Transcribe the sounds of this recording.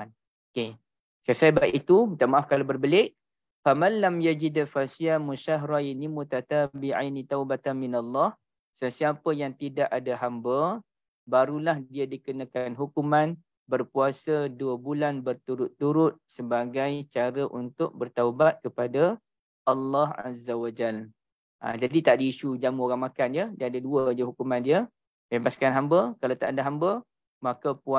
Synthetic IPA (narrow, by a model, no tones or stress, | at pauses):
n | oke | kasajbaʔit̪ut̪aʔmaʔafkalabərbəlɪʔ | famalːamjad͡ʒidalfasiamũʃaɦɾainimut̪at̪abiʕa̰jnit̪awbat̪anminalːɑh | səsiapəjaŋt̪idaʔadaɦambə | baɾulahdiadikənakanɦukumãn | bərpuasəduəbulanbərt̪uɾʊt̪ːuɾʊt̪̚səbaɡajt͡ʃaɾəʔunt̪ʊk̚bərt̪aubat̪̚kəpada | ʔalːɑha̰zawad͡ʒal | ʔa̰d͡ʒadit̪aʔdiiʃud͡ʒamuoɾaŋmakanjədiaadaduəd͡ʒəɦukumãndiə | pebaskanɦambəkalawt̪aʔadaɦambə | makapua